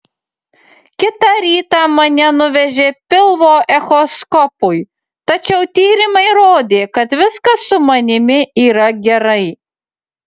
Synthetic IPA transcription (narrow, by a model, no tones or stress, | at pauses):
kʲɪt̪ɑɾʲiːt̪ɑmɐnʲɛnʊʋʲɛʒʲeːpʲɪlˠʋoːʔɛxoskɔpʊj | t̪ɐt͡ʃʲɛʊt̪ʲiːɾʲɪmɐɪɾoːd̪ʲeːkɐt̪ʋʲɪskɐsʊmɐnʲɪmʲɪiːɾɐɡʲɛɾɐɪ